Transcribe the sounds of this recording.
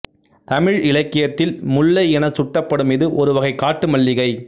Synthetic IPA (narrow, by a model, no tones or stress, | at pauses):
t̪ɐmɪɻɪlɐkːɪjɐt̪ːɪlmʊlːɐɪɛnɐsʊʈːɐpːɐɽɯmɪðɯʔɔɾɯʋɐɣɐɪkːaːʈːɯmɐɭːɪɣɐɪ